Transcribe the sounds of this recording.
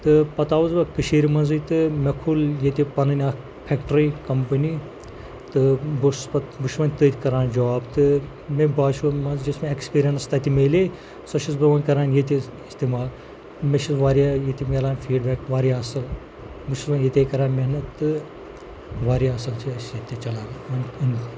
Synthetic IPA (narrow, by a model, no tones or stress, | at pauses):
t̪ɨpɐt̪aːʋɐzbɐkɨʃiːɾimɐnzɨjt̪ɨmʲɐkʰuljet̪ʲipɐnɨnʲaː | pʰʲɛkʈɾikɐmpɐnʲi | t̪ɨbɨspɐt̪bɨʃʋɐnʲt̪ɨt̪ʰʲkɐɾaːnd͡ʒɐʋaːbt̪ɨ | mebaːʃɐmɐnzd͡ʒɐsmeekspiːɾʲijɐnst̪ɐt̪ʲimeːle | sɐʃʰisbɨʋɐnʲkɐɾaːnjet̪ʲiist̪iːmaːl | meʃizʋaːɾʲjaːjet̪ʲimʲelaːnʲfʰiːɖbeːkʋaːɾiɐsɐl | bɨʃzɐjet̪ʲeːkɐɾaːnmeɦnɐt̪ːɨ | ʋaːɾiɐsɐlt͡ʃʰiɐsjet̪ʲːit͡ʃɐlaːnʋɐnʲɨnʲ